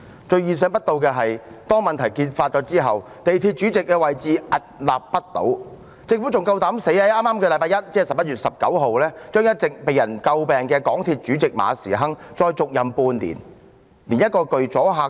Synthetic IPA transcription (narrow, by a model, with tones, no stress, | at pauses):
t͡ʃɵ˧ɥjiː˨˩s̬œː˧˥ŋpɐ˥t̚t̪o˧wkɛː˧ɦɐ˨jt̪ɔː˥ŋmɐ˨nt̪ʰɐ˨˩jkiː˧nfaː˧t̚t͡ʃɔː˨˥t͡siː˥ɦɐ˨w | t̪e˨jt̪ʰiː˧t̚t͡ʃyː˨˥t͡sɪ˨kːɛː˧wɐ˨jt͡siː˨ʔɐ˨t̚laː˨˩p̚ːɐ˥t̚t̪o̰˨˥w | t͡sɪ˧ŋfu˨˥t͡sʊ˨ŋkɐ˧wt̪aː˨˥mse˨˥jɐ˥ʔaː˥maː˥mkɛː˧lɐ˨˧jpaː˧jɐ˥t̚t͡sɛː˥˨sɐ˨p̚jɐ˥t̚ɥyː˨t̚sɐ˨p̚kɐ˨˥wɦo˨wlɛː˥t͡ʃœː˥ŋjɐ˥t̚t͡sɪ˨k̚pe˨jɐ˨˩nkɐ˧wpɛː˨ŋkɛː˧kɔː˨˥ŋt̪ʰiː˧t̚t͡ʃyː˨˥t͡sɪ˨k̚ma̰ː˨˧siː˨˩ɦɐ˥ŋt͡ʃɔː˧jt͡sʊ˨k̚jɐ˨mpuː˧nlḭː˨˩n | liː˨˩njɐ˥t̚kɔː˧kɵ˨ɥt͡sɔː˨˥ɦaː˨